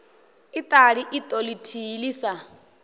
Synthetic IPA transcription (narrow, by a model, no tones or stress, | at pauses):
itʼaɺiʔit̪ʼolitʰiliːsa